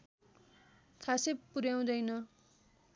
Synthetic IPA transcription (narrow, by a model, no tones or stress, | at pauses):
kʰasepuɾjaw̃d̪ʌjnʌ